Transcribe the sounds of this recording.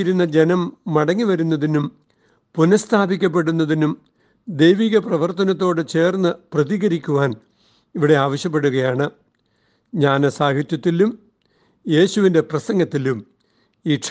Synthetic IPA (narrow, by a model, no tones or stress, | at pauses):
iɾunːɐd͡ʑenɐmːɐɽɐŋːiʋɐɾunːɐðinum | punɐst̪ʰaːbikʲːɐp̬ːe̞ɽunːɐðinum | d̪ejʋiːɣɐprɐʋɐrt̪ɐnɐt̪̬ːo̞ːɽɨt͡ɕe̞ːrnːɨprɐðiɣɐɾikʲːuʋaːn | iʋiɽe̞aːʋɐɕjɐp̬ːe̞ɽuɣɐjaːɳɨ | ɲaːnesaːhit̪jɐt̪ːilum | je̞ːɕuʋinde̞prɐsɐŋɡɐt̪ːilum | iːʈʂ